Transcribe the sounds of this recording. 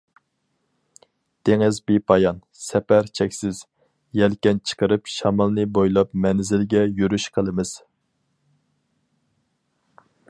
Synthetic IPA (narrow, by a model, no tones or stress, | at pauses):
d̪̥ʰeŋɪzbipʰɑjɑn | sɛpæɾt͡ʃʰɛkʲsɪz̥ | jɛlkʲɛnt͡ʃʰə̥qəɾɨpʃɑmɑlˠnɨbojlˠɑpmɛnzɪlɡʲɛjyɾyʃqʰəlˠɨmɨz̥